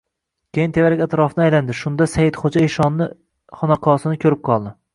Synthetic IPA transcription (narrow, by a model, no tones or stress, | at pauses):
kʲejɪnt̪ʰevaɾɪkʲat̪ɪɾɒfnɪajland̪ɪʃʊnd̪asajɪt̪χod͡ʒaeʃɒnːɪ | χɒnɑqʰɒsɪnɪkʲʰɵɾɪp̚qʰɒlˠd̪ɪ